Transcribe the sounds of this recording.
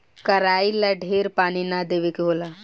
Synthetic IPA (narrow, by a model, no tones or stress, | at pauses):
kəɾaːiləɖʱeːɾpaːninad̪eːʋekeɦoːla